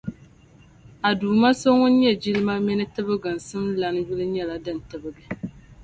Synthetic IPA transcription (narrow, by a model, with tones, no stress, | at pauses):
a˨duː˨ma˦so˦ŋʊ˦n̩˦ɲɛ˦d͡ʒi˦lɨ˦ma˦mi˦nɨ˦tɨ˦bɨ˦ɡɨ˨n̩˨sɨ˦mla˨nju˦lɨ˦ɲɛ˦la˨dɨ˨n˨tɨ˨bɨ˦ɡɨ˨